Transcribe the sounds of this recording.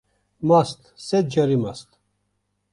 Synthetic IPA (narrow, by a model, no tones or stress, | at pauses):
mast̪ʰsɛd̪̚d͡ʒɐɾimast̪ʰ